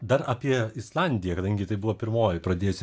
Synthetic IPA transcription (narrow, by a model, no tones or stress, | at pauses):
d̪ɐɾɐːpʲiɛɪslˠɑnʲd̪ʲɪjɛkɐd̪ɐŋʲɡʲɪt̪ɐɪbʊʋoːpʲɪɾmoːjɪpɾɐd̪ʲeːjosʲ